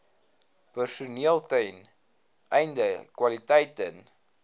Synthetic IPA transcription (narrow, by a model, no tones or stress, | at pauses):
pərsuniəlˠtəjn | ʔɛjndəkwɐlitɛjtən